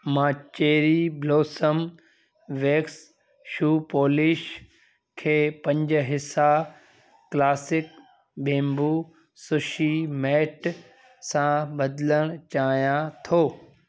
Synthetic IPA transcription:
mãːt͡ɕeːɾibloːsəm | ʋeːks | ʃuːpoːlɪʃ | kʰeːpɐ̃ɲd͡ʑ̆ɦɪsa | klaːsɪk | bẽːmbu | sʊʃimɛːʈ | sãbɐd̪ɪləɽ̃t͡ɕaːijãt̪ʰoː

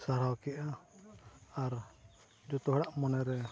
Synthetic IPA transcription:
saɾawkɛʔaː | ɾ | d͡ʒɔt̪ɔɦɛɽaʔmɔnɛɾɛ

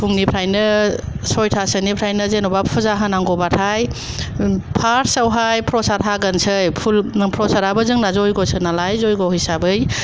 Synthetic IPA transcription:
pʰuŋnipʰɾajnɯ | sɔjtʰasɯnipʰɾajnɯzenɔbapʰuzaɦanaŋɡɔbatʰaj | pʰaɾsawɦajpʰɾɔsaɾʰaɡənsɯjpʰulpʰɾɔsaɾabɯzɯŋnazɔjɡɔsɯnalajzɔjɡɔɦɯjsabɯj

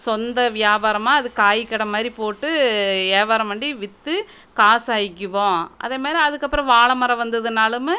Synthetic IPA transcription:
sɔnd̪ɐʋɪjaːbaːɾɐmaːɐðɯkaːjkːɐɽɐmaːd̪ɾipoːʈːɯeːbaːɾɐmʋɐɳɖiʋɪt̪ːɯ | kaːsaːjɪkːɯʋõːʔɐ̰ðeːmaːd̪ɾiɐðɯkːɐpːɯɾɐ̃ʋaːɭɐmɐɾɐʋɐnd̪ɐðɯnaːlɯm

